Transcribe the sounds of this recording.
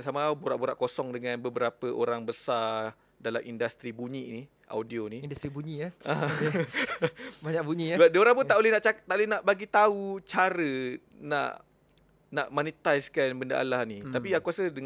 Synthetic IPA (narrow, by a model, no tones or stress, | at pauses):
samabuɾaʔbuɾaʔkosɔŋdəŋãnbəbəɾapəʔoɾaŋbəsa | dala̰mʔindast̪ɾibuɲini | ʔa̰wdioniindast̪ɾibuɲiaʔa | baɲakbuɲibadioɾaŋp̬unaʔolɛhnaʔt͡ʃakt̪aʔolɛɦnaʔbaɡit̪aut͡ʃaɾə | na̰ʔ | na̰ʔmanit̪ajskanbəndaʔa̰lahnit̪apiakuasədəŋ